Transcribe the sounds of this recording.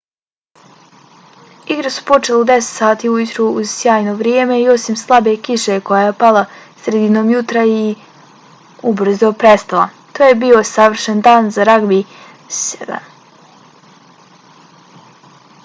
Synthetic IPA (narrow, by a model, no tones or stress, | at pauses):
iɡɾasu̥po̞t͡ʃelud̪eset̪saːt̪iːujut̪ɾuuz̥sjaːjnoʋɾjeːme̞io̞simslˠabe̞kiʃe̞kojajepalˠa | sɾe̞d̪ino̞ːmjut̪ɾai | ubr̩zd̪opɾest̪alˠa | t̪oːjebio̞saʋr̩ʃend̪aːnzaɾaɡbi | sed̪a̰